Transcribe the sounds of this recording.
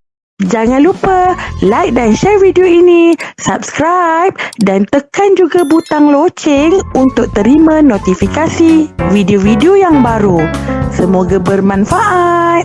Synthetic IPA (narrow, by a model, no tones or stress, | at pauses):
d͡ʒaŋãnlupəlajk̚danʃɛrvidioinisap̚skɾajp̚dant̪əkand͡ʒuɡabut̪aŋlot͡ʃɪŋunt̪ʊk̚t̪əɾimãnot̪ifikasivideovidiojaŋbaɾusəmoɡabərmãnfaʔat̪̚